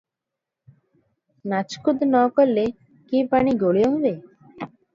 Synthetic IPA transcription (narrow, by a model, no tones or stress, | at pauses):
nat͡ʃkud̪ʱnɔkoɾle | kipaniɡoɭijoɦɔbe